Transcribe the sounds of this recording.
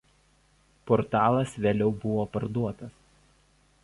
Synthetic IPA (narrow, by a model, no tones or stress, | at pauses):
pɔɾt̪ɑːlˠɐsʋʲeːlʲɛʊbʊʋoːpɐɾd̪uɔt̪ɐs